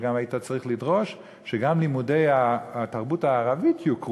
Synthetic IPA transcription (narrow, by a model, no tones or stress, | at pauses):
ɡamajitat͡saʁiχlidʁo̞ʃ | ʃeɡamlimudejataʁbutaːʁavitjuk